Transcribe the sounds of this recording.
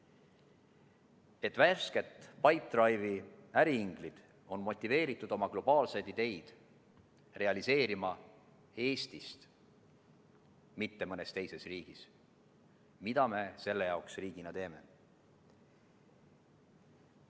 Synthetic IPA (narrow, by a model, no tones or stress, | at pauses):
e̞t̪ːˑvæske̞t̪pɑjt̪ːˑrɑjviæɾiiŋɡ̥lid̪̥ | o̞nmo̞t̪ʲˑːive̞ːɾit̪ːˑud̪̥o̞mɑklo̞b̥ɑːlse̞jd̪id̪e̞jd̪̥ | re̞ɑlise̞ːɾimɑ | e̞ːst̪ist̪ | mit̪ːe̞mɤne̞st̪e̞jse̞sriːɡ̥is | mid̪̥ɑme̞se̞lːe̞jɑoksriːɡ̥inɑt̪e̞ːme̞̰